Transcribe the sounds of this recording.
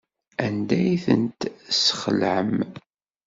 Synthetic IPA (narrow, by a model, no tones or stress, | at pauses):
ænd̪æjθə̰nt̪sə̥χəlʕəm